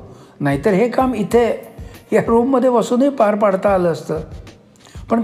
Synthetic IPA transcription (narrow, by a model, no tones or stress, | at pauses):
naɦit̪əɾɦekamit̪ʰejaɾumːəd̪ʱːjeʋəsuːnipaɾpaɽt̪aːləəst̪əː | pəɳ